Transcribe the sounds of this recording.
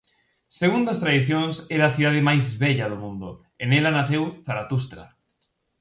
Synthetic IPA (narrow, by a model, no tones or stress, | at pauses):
seɣund̪ɐst̪ɾaðiθjonsɛɾaːθiðað̞emajzβɛʎaðomũnd̪o | enɛlanaθewθaɾat̪us̬t̪ɾa̰